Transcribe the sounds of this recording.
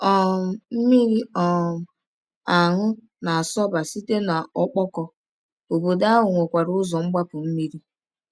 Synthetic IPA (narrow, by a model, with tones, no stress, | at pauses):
ɔ˦˨m̩˦mi˦ɾi˦ɔ˨ | a˨ŋʊ˦ | na˨a˨sɔ˦ba˨si˦te˦na˨ɔ˦k͡pɔ˦kɔ˦ | o˨bo˨da˦ɦʊ˨ŋʷe˨kʷa˨ɾʊ˦zɔ˨ŋ͡m̩˦ɡ͡ba˦pʊ˨m̩˦mi˦ɾi˦